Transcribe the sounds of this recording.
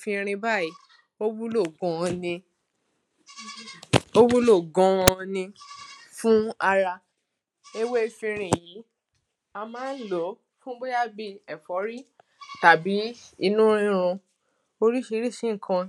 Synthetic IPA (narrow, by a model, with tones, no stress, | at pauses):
fĩ˧ɾ̃ĩ˧ba˦˨i˨˦ | o˦wu˦lo˦˨ɡɔ̃˨˧ɔ̃˧nĩ˧ | o˦wu˦lo˦˨ɡɔ̃˨˧ɔ̃˧nĩ˧fũ˦a˧ɾa˧ | e˦we˦˧fĩ˧ɾ̃ĩ˨ji˨˦ | a˧mãː˨˦n̩˦lo˨˦ | fũ˦bo˦ja˦bi˧ɛ˨fɔ˨˦ɾi˦ | ta˨bi˨˦i˧nũ˦ɾ̃ĩ˦˧ɾ̃ũ˧ | o˧ɾi˦ʃi˧˦ɾi˦˨sĩ˦ŋ̩˨kʰã˧